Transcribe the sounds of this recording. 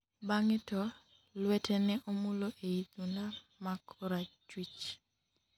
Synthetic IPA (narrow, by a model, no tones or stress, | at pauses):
baŋɪtɔ | lwɛtʰɛnɛʔomuloʔeit̪unda | makʰɔɾat͡ʃwit͡ʃ